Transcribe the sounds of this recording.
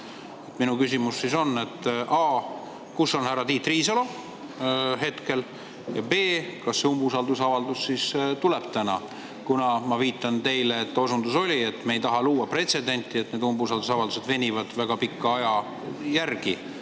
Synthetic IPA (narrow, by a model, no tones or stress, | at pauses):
et̪minukysʲimusːiso̞nːe̞t̪ːˑʔɑː | kusːo̞nhæɾɑt̪iːt̪ːˑriːsɑlo | ɦe̞t̪ke̞l | jɑbe̞ːkɑsːeumbusɑld̪usɑvɑld̪ussist̪ulɛb̥t̪ænɑ̰ | kunɑmɑviːt̪ːˑɑnt̪e̞jleet̪ːˑo̞sund̪uso̞lʲie̞t̪mejt̪ɑɦɑluːwɑpre̞t̪se̞d̪e̞nʲt̪ːˑie̞t̪ne̞ːd̪umbusɑld̪usɑvɑld̪use̞d̪ve̞nʲivɑd̪̥væɡ̥ɑpikːɑɑjɑ | jærɡ̥i